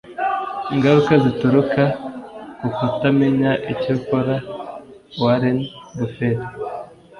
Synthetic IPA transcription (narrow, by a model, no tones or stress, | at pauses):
iŋɡaɾukazituɾukakukutameɲaʔicokoɾa | waɾenbufeɾ